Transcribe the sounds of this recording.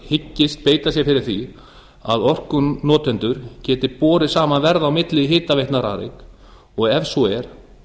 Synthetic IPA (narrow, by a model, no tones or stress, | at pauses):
hɪcːɪst̪̚peːjt̪asjɛfɪɾɪɾ̥θi | aðɔr̥kʏnɔːt̪ɛnt̪ʏɾ̥cɛːt̪ɪpɔːɾɪsaːmanvɛɾðawmɪt̪lɪɦɪːt̪avejht̪naɾa̰ːɾḛk | ɔɣɛfsuɛɾ̥